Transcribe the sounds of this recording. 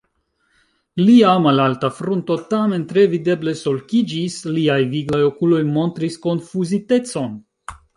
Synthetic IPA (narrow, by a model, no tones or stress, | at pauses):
liamalaltafɾunto̞tame̞nt̪ɾe̞vide̞ble̞so̞lkid͡ʒisliajviɡlajo̞kulo̞jmo̞nt̪ɾisko̞nfuzite̞t͡so̞n